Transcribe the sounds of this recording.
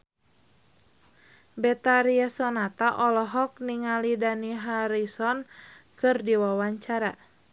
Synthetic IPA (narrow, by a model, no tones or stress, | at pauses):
bɛt̪aɾiasɔnat̪aʔɔlɔɦɔk̚niŋalidaniɦaɾisɔnkɨrdiwawaɲt͡ʃaɾa